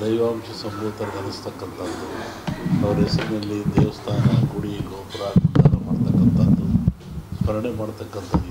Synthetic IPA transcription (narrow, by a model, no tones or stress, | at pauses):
d̪ɐjʋaːmʃɐsɐmbuːt̪ɐɾɐd̪ʱɐnist̪ɐkːɐnt̪ʰɐd̪ːu | ɐʋɐɾɦɛsɐɾinɐlːid̪eːʋɐst̪ʰaːnɐɡuɽiiɡoːpɐɾaːkɐk̪a̰ːnɐmaːɽt̪ɐkːɐnt̪ʰɐd̪u | spʰɐɾɐɳemaːɽt̪ɐkːɐnt̪ʰɐ